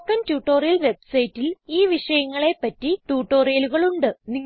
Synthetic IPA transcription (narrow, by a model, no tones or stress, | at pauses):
kːɐntjuːʈːoːrijɐlʋe̞bsɐjtːiliːʋiʂɐjɐŋːɐɭe̞pːɐtːiʈjuːʈːo̞ːrijɐluɣɐɭuɳɖɨni